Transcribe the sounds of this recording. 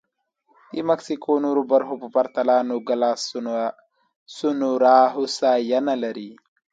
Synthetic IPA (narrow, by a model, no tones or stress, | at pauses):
t̪imɐksikʰoːnuɾubɐɾɦopupɐɾt̪ɐlaːnuɡɐlaːs | sunuɾaːɦusajɐnɐlɐɾi